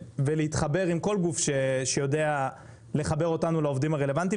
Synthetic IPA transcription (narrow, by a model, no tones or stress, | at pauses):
veleitχabe̞ʁimko̞lɡufʃeʃejo̞de̞a | le̞χabe̞ʁo̞tanulao̞vdimaʁe̞le̞vant̬i